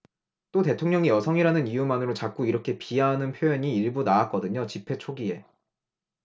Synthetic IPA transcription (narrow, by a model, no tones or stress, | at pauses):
t͈ote̞tʰoŋɲʌŋijʌsʰʌŋiɾanɯnijumanɯɾot͡ɕak͈uiɾʌkʰe̞piaɦanɯnpʰjojʌɲiːiɭbunaak͈ʌdɯɲot͡ɕipʰe̞t͡ɕʰoɡie̞